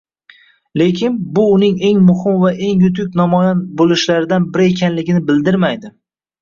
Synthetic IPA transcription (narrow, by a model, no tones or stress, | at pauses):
le̞kʲʰɪnbʊːnɪŋe̞ŋmʊhɪmvaʔe̞ŋjʊt̪̬ʊk̚ʲnɒmɒjanbolɪʃlaɾɪd̪anbɪɾɪekʲanlɪɡʲɪnɪbɪld̪ɪɾmajd̪ɪ